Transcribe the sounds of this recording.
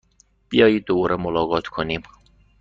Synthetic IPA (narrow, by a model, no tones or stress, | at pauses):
b̥ijɒːjiːd̪̚ːobɒːɾemolɒːɣɒːt̪ʰkʰoniːm